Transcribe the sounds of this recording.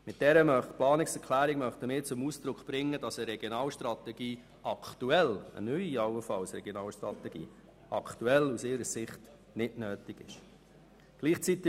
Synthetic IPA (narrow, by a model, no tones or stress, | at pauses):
mɪt̚d̥ɛɾəmœχtplɑːnɪksɛɾkʰlæːɾɪɡmœχt̪əmɪːɾt͡sʊmusd̪ɾʊkχb̥ɾɪŋːəd̥ɑsəɾɛɡ̥jonɑːlʃtɾɑt̪ɛɡ̥iː | ɑkʰt̪uɛlə̰nyʏiɑwəfɑlsɾɛɡjonɑːlʃtɾɑ̰t̪ɛɡ̥ḭː | ʔɑ̰kʰtuɛlusɪɾəsɪχt | nɪdnøːtɪɡ̥ɪʃ | ɡ̥liːχt͡sit̪ːɪ